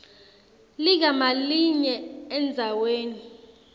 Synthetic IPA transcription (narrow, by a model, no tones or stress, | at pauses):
lik̬amaliɲɛɛnd͡zʱaweːni